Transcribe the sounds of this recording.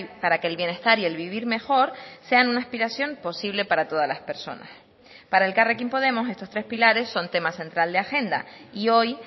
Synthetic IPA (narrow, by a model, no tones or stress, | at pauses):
paɾake̞ːlβje̞ne̞st̪aɾie̞lβiβ̞iɾme̞xo̞ɾse̞anunaespiɾasjo̞mpo̞siβ̞le̞paɾat̪o̞ð̞alaspe̞ɾso̞̰na̰s | paɾae̞lkarekimpo̞ð̞e̞mo̞s̬e̞st̪o̞st̪ɾespilaɾe̞sːo̞nt̪e̞mase̞nt̪ɾald̪eaxe̞nd̪a̰io̞j